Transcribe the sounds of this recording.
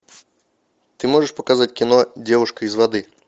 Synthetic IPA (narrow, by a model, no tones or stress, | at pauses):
t̪ɨmoʐɨʂpəkazatʲkʲɪnodʲevʊʂkəɪzvɐd̪ɨ